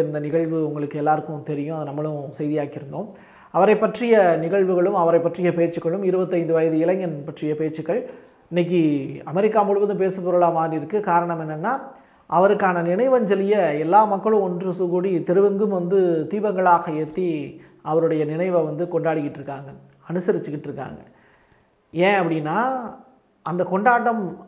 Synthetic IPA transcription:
nd̪ɐnɪɣɐɭʋɯʊŋɡɐɭɯkːɯɛlːaːɾɯkːɯ̃t̪ɛɾɪjʊ̃ɐðɯnɐmːɐɭɯ̃sɛjðɪjaːkɪɾɯnd̪oː | ɐʋɐɾɐɪpːɐʈrɪjɐnɪɣɐɭʋɯɣɐɭɯmɐʋɐɾɐɪpːɐʈrɪjɐpeːt͡ʃːɯkːɐɭɯmɪɾɯbɐt̪ːɐɪnd̪ɯʋɐjɐðɯɪlɐŋɡɐnpɐʈrɪjɐpeːt͡ʃːɯkːɐɭ | ɪnːɐk̬ːiɐmɛɾɪkːaːmʊɻɯʋɐnd̪ɯp̬eːsɯpːɔɾɐlaːmaːɾɪɾɯkːɯkaːɾɐɳɐmɛnːɐnːaː | ʔɐʋɐɾɯkːaːnɐnɪnɐɪʋɐnd͡ʒɛlɪjɐɛlːaːmɐkːɐɭɯ̃mɔndrɯsʊɣuɽit̪ɪɾɯʋɯŋɡɯmʋɐnd̪ɯt̪iːbɐŋɡɐɭaːɣɐeːt̪ːi | ɐʋɐɾɯɽɐjɐnɪnɐɪʋɐʋɐnd̪ɯkɔɳɖaːɽɯɣɪʈːɾɯkːaːŋɡɐ | ɐnɯsɐɾɪt͡ʃːɯkːɪʈːɾɯkːa̰ːŋɡɐ̰ | ẽːɐpːɐɽɪnːaː | ʔɐnd̪ɐkɔɳɖaːʈːɐm

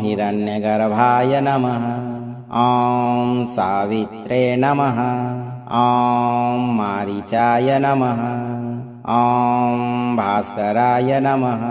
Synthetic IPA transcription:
ɦiɾɐnjɐɡɐɾɐbʱaːjɐnɐmɐɦɐ | ɔːmsaːʋit̪ɾeːnɐmɐɦɐ | ɔ̃ːmːaːɾit͡ʃaːjɐnɐmɐɦɐ | ɔ̃ːmbʱaːskɐɾaːjɐnɐmɐɦɐ

